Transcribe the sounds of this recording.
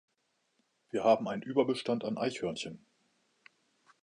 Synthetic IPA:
v̥iːɐhaːbm̩aɪnənʔyːbɐbəʃtantanʔa̰ɪçhœɐnçən

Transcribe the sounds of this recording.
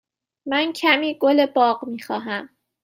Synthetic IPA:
mæncʰæmiːɡolebɒːɢmiːxɒːɦæm

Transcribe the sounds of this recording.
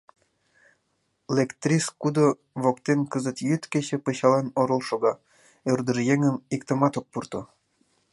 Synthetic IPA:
lekt̪rʲiskud̪o | βokt̪enkəzət̪jyt̪keɕĕpəɕɑlɑnoɾə̆lˠʃoɣɑ | ørd̪ə̆ʒjeŋəmikt̪ə̆mɑt̪ok̚purt̪o

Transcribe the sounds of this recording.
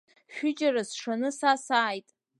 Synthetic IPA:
ʃᶣʊd͡ʒʼaɾasʂanɨsasaːjtʼ

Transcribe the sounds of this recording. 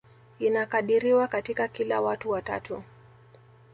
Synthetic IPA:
inakaɗiɾiwakatikakila̰watuwata̰tu

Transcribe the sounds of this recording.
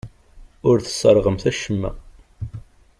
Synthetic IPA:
ʊɾθə̥sˤːəɾˤʁəmθæʃəmːæ̰

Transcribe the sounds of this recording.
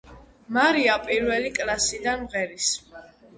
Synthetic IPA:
maɾiapʼiɾvɛlikʼlasid̪anmʁɛɾis

